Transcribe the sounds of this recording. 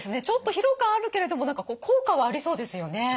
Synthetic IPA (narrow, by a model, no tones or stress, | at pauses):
sɨne̞t͡ɕo̞t̪ːo̞çiɾo̞kaːɾɯ̟ke̞ɾe̞d̪o̞mo̞nãŋkakoːkʰo̞ːkaβ̞aːɾʲiso̞ːd̪e̞sɨjo̞ne̞